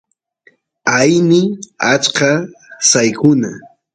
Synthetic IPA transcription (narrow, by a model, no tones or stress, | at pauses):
ajnɪat͡ʃkasajkʊna